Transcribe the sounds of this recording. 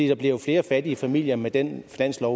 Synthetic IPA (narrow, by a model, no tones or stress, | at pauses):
ḭːd̥ɑ̈b̥le̝ʊfle̝ːɐfæd̥iəfæmil̰jɐmed̥enfinæn̰slɒʊ